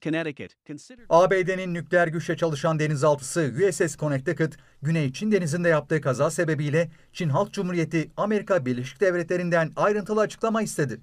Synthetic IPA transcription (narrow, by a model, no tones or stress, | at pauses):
kʰɨnɛɾɨkɨtnaːbeːd̪eninːyclʲeæɾɟyʃʲɛt͡ʃʰalˠɯʃand̪e̞nizalˠt̪ʰɯ̥sɯjuɛsɛskʰo̞nɛc̚t̪ʰekʰɯt̪ | ɟynejt͡ʃʰind̪e̞nizind̪ɛjap̚t̪ʰɯːɯkʰazaːse̞be̞bijlʲɛ | t͡ʃʰinɦalˠk̪̚d͡ʒumhuɾije̞t̪ʰiame̞ɾikʰabiɾlʲe̞ʃi̥c̚d̪evɾɛt̪lʲe̞ɾind̪ænajɾɯnt̪ʰɯlˠat͡ʃʰɯ̥klˠamaist̪ʰe̞d̪ɪ